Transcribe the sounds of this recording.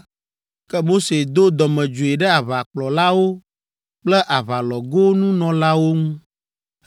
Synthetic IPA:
kɛ˦mo˦se˨d̪o˦d̪ɔ˨mɛ̃˨d͡ʒu˨e˨ɖɛ˦a˨βa˨k͡plɔ˨la˦wo˦ | k͡plɛ˦ʔa˨βa˨lɔ˨ɡo˦nũ˦nɔ̃˨la˦wo˦ŋũ˦

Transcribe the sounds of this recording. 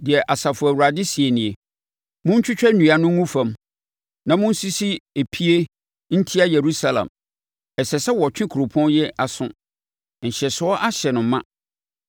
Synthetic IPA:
dɪ˨ɛ˨ʔa˨sa˨fʊ˨æ˨wu˨ɾa˨dɪ˦si˨e˨nĩ˨e˨ | mʊ̃˦ɲ̩˦t͡ɕʰᶣʊ˦t͡ɕᶣɛ˦nũ˨a˨nʊ̃˦ŋũ˦fã˨m | nã˨mʊ̃˦n̩˦si˦si˦e˨pʰi˦e˦ | n̩˦tʰi˦a˦je˨ɾu˦sa˦lã̰˨m | ɛ˨sɛ˨sɛ˦wɔ˨t͡ɕᶣɪ̃˦kʰu˨ɾo˨pʰɔ̃˦njɛ˦a˨sʊ̰̃˦ | n̩˨ɕɛ˨sʊ˨˦ɔ˦ʔa˦ɕɛ˨nʊ̃˨˦mã̰˦

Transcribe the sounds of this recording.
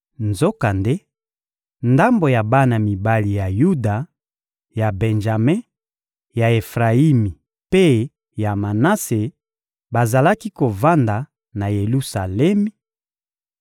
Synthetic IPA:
nzo˦ka˨nde˦ | nda˦mbo˨ja˨ba˦na˨mi˨ba˦li˨ja˨ju˦da˨ | ja˨bɛ˨nʒa˨me˦ | ja˨e˨fʁa˨i˦mi˨ | pe˦ | ja˨ma˨na˦se˨ | ba˨za˨la˦ki˦ko˨va˦nda˨ | na˨je˨lu˦sa˨lɛ˦mi˦

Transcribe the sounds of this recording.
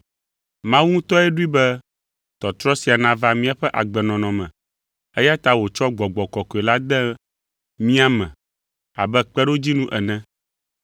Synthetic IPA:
mã˦wu˦ũ˦t̪ɔ˦ɛ˦ɖu˦i˦bɛ˦ | t̪ɔ˨t̪ɾɔ˦si˨a˨nã˦va˦mĩ˦a˨ɸɛ˦ʔa̰˨ɡ͡bɛ˨nɔ̃˨nɔ̃˨mɛ̃˨ | ɛ˦ja˦t̪a˦wo˨t͡ʃɔ˦ɡ͡bɔ˨ɡ͡bɔ˨kɔ˨kɔ˨ɛ˨la˦d̪ɛ˦ | mĩ˦a˦mɛ̰̃˨ | a̰˨bɛ˦k͡pɛ˦ɖo˦d͡ʑi˦nũ˦ʔɛ˨nɛ̃˦

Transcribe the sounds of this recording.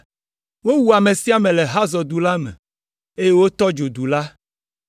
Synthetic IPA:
wo˦wu˨a˨me˨si˦a˦˨mẽ˨lɛ˨ɦa˦zɔ˨d̪u˨la˦mɛ̰̃˨ | e˦je˦wo˦t̪ɔ˦d͡ʒo˨d̪u˨la˦

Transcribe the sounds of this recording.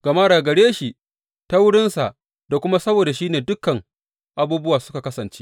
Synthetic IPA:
ɡ̥a˨maː˦ɽaː˨ɡɐ˨ɽeː˦ʃi˨ʔ | ta˦wʊ˦ɽɪ˦nsa˨ʔ | da˨kʷʊ˦ma˦sɐ˦boː˨da˨ʃiː˦neː˨dʊ˦kːɐ˨ŋ | ʔa˨buː˦bʊ˦waː˨sʊ̥˦ka˨kɐ˦sɐ˨nt͡ʃe̥˦

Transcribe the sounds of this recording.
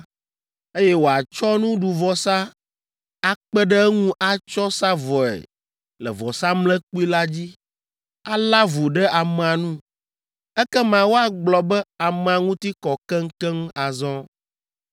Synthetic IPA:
e˦jɛ˦wo˨a˨t͡ʃɔ˦nũ˦ɖu˨vɔ˨sa˦ | a˦k͡pɛ˦ɖɛ˦ŋũ˦ʔa˦t͡ʃɔ˦sa˦vɔ˨ɛ̰˨ | lɛ̰˨vɔ˨sa˦mlɛ̃˦k͡pu˦i˦la˦d͡ʑi˦ | a˦la˦vu˨ɖɛ˦ʔa˨m˨a˨nũ˦ | ɛ˦kɛ˦mã˨wo˦a˨ɡ͡blɔ˨bɛ˦a˨mɛ̃˨a˨ŋũ˦t̪i˦kɔ˨kɛ˦ŋ̩˦kɛ˦ŋ˦a˨zɔ̃˦

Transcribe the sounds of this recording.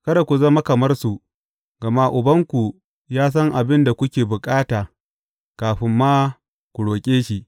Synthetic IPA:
kɐ˦da˨kʷu˨zɐ˦ma˦kɐ˨mɐ˦rsu˨ | ɡɐ˨ma˦ʔʊ˨bɐ˦ŋkʷu˨ | jaː˦s̬ɐ˦ŋʔa˨bɪ˦nda˨kʷʊ˦kʲeː˨bʊ˨kʼaː˦taː˨ | kaː˨ɸɪ˦mːaː˦ | kʷu˨ɽoː˨kʲʼeː˦ʃi˦˨

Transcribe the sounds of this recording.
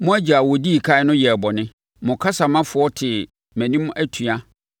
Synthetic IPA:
mʊ̃˦æ˦d͡ʑa˨wɔ˨di˦i˨kʰa˦ɪ˦nʊ̃˦jɛ˨bɔ˨nɪ̃˦ | mʊ̃˨kʰa˦sa˨mã˦fʊ˨˦ɔ˦tʰɪ˨ | mæ̃˨nĩ˦m˦ʔæ˦tʰu˨a˦

